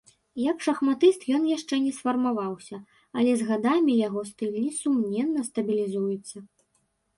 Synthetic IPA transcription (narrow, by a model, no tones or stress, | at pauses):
jɐkʂɐxmat̪ɨst̪jɔnjaʂt͡ʂɛnʲɛsfɐrmavawsʲɐ | ɐlʲɛzɣad̪amʲijaɣɔst̪ɨlʲnʲisumnʲɛnːɐst̪ɐbʲilʲizujut̪sːɐ